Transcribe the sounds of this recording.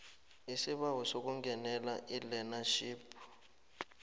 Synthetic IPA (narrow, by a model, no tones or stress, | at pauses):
isiɓawɔsok̬uŋɡʱɛnɛlaʔilɛnaʃiːpʰu̥